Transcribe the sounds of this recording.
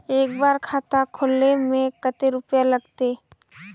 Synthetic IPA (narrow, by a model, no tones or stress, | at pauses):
eːk̚baːɾkʰaːt̪akʰoːlːemẽkət̪eɾʊpjalɐɡt̪eː